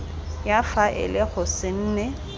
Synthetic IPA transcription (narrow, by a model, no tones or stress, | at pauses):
jafaʔɪ̰lɪɣʊsɪn̩ːnɛ